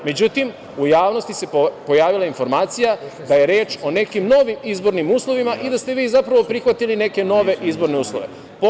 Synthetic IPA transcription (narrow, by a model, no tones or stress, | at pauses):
me̞d͡ʑut̪im | ujaːʋno̞st̪ise̞ppo̞jaːʋilˠainfo̞ɾmaːt̪sijad̪aje̞ɾe̞ːt͡ʃo̞ne̞kimno̞ʋimizbo̞ɾnimuːslˠo̞ʋimaʔid̪ast̪e̞ʋiːzapɾaʋo̞pɾixʋat̪iline̞ke̞no̞ʋe̞ʔizbo̞ɾne̞uːslˠoʋe̞̰ | p